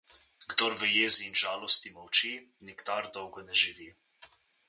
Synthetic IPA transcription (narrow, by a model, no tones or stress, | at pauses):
ɡd̪ɔɾʋəjeːziːnʒaːlɔst̪imɔwt͡ʃi | niɡd̪aɾd̪ɔwɡɔnɛʒiʋiː